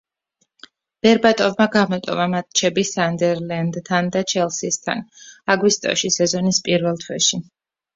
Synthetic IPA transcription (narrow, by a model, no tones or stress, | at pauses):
b̥ɛɾbat̪ʼɔvmaɡamɔt̪ʼɔ̰vamat̪̚t͡ʃʰɛbisand̪ɛɾland̪ʰand̪at͡ʃʰɛlˠsist̪ʰa̰naɡwist̪ʼɔ̰ʃisɛzɔnispʼiɾvɛlˠt̪ʰwɛʃi